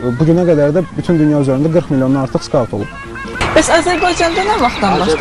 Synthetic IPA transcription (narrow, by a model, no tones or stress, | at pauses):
buɟynæɡæd̪æɾd̪æbyt̪ʰynd̪ynjɑyzæɾynd̪æɡɯɾqmilʲˠjoɑɑɾt̪ʰɯχskɑlˠt̪ʰo̞lˠub̥ | bæsɑzæɾbɑjd͡ʒɑnd̪ɑnæɾvɑχt̪d̪ɑnbɑʃ